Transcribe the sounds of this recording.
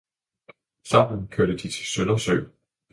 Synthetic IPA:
sɑmn̩kʰøɐ̰ɾ̥əd̥it͡sʰe̝̥sønɐsø̰

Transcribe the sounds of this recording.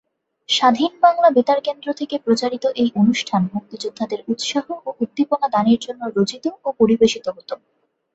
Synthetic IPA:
ʃad̪ʱinbaŋlabit̪aɾkend̪ɾot̪ʰekepɾot͡ɕaɾit̪oʔejʔonuʃʈʰanmuk̚t̪id͡ʑud̪ʱːad̪eɾut̪ʃaɦooʔud̪ʱːiponad̪aniɾd͡ʑonːoɾod͡ʑit̪oopoɾibeʃit̪oɦot̪o

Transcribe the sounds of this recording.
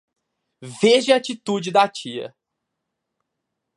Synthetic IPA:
veʒɪaat͡ʃit̪ud͡ʒɪd̪at͡ʃiɐ̰

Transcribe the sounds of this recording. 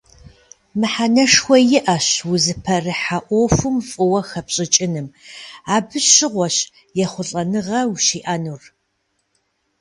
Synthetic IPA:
mɨħanɐʂxʷɔjɪʔɐɕwʊzɨpʰɐrɨħaʔʷofʊmfʼɨwɐxɐpɕʼɪt͡ʃʼɪnɨmaːbɨɕɪʁʷɔɕ | jɛχʷʊɬʼɐnɨʁɐwuʃiːʔɐnuːr

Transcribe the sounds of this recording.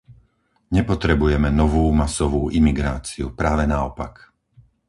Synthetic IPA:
ɲɛpɔt̪ɾɛbujɛmɛnɔʋuːmasɔʋuːʔimiɡɾaːt͡siupɾaːʋɛnaɔpak

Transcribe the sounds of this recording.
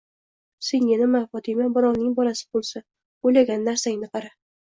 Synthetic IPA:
seŋjɪnɪmafɒt̪ʰɪmabʊɾɒwnɪŋbɒlasɪ̥bolˠsa | ojlaɡʲanːaɾsaŋnɪqʰɑɾa

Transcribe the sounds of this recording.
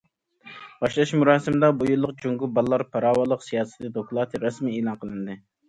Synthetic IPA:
b̥ɑʃlˠɑʃmuɾɑːsɪmɪd̪ɑbujulˠːəqd͡ʒuŋɡubɑlˠːɑɾpʰɑɾɑːwɑlˠːəqsijɑːsɨ̥t̪ɨd̪oklˠɑt̪ʰɨɾɑsmieːlˠɑnqʰəlˠɨnd̪ɨ

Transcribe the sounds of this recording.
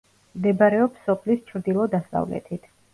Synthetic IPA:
md̪ɛbɾɛɔpsɔpʰlist͡ʃʰɾd̪ilˠɔd̪asa̰vlɛ̰t̪ʰit̪ʰ

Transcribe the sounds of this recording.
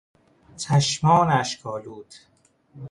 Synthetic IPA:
t͡ʃʰæʃmɒːnæʃkʰɒːluːt̪ʰ

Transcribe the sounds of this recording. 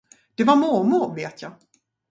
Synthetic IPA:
d̪̥ɛvaɾmomʊɾveːt̪ʰjɑː

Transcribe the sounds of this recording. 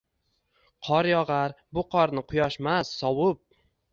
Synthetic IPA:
qʰɒɾjɒʁaɾbʊqʰɒɾnɪqʰʊjɒʃmasːɒwʊp̚

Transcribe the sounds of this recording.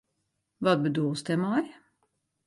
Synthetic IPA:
ʋɑd̪bəd̪oːst̪ɛmɑɾ

